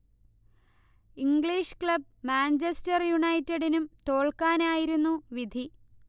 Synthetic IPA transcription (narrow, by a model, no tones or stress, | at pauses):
iŋɡɭiːʂkɭɐb̚maːnt͡ɕestɐrjuɳɐjtːɐɽinumt̪o̞ːɭkaːnaːjiɾunːuʋid̪ʱi